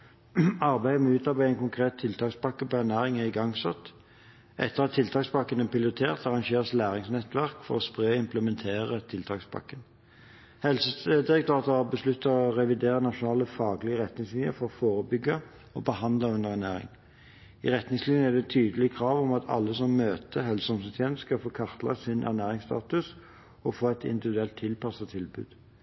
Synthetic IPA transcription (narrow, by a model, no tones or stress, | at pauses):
ɑʁbæɪd̪əmɛʉːt̪ɑbæɪæɪnkʊŋkʰʁeːt̪ʰɪlt̪ʰɑːkspɑkːəpɔænæːʁɪŋæʁɪɡɑŋsɑ̰t̪ | ʔɛ̰t̪ːəʁɑt̪ʰːɪlt̪ɑːksbɑkːənɛpʰɪlɪʁɪt̪ʰeːʁt̪ɑʁɑŋʃeːʁslæːʁɪŋsnɛt̪ʋæʁkfɔ̰ʁɔspʁøːɪmpləmɛnt̪ʰeːʁət̪ʰɪlt̪ʰɑːkspʰɑ̰kːən | hɛlsəsəd̪ɪʁɛkt̪ɑːt̪əɑbəslʉt̪ːəɔʁɛʋɪd̪eːʁənɑʂʊnɑːləfɑːɡlɪəʁɛt̪nɪŋslɪnəfɔɾɔfoːʁəbʏɡə | ɔbəhɑnd̪ləʉnəʁæʁnæːʁɪ̰ŋ | ḭʁɛt̪nɪŋslɪnəæd̪ɛt̪ʰyːd̪əlɪəkʰʁɑːʋɔmɑt̪ʰɑ̰lːəsɔmːøːt̪əɦɛlsəɔmsət̪ʰjɛnskɑfoːkʰɑʁt̪lɑ̰sɪnʔæ̰ʁnæːʁɪŋst̪ɑ̰ːt̪ʉs | ɔfoːɛt̪ɪ̰nd̪ɪʋɪd̪ʉɛlt̪ʰːɪlpɑsɑt̪ʰɪlbʉ̰ːd̪̥